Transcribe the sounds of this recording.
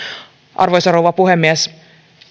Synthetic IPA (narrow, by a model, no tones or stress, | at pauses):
ʔɑ̰rʋojsɑɾouʋɑpuɦemːiæs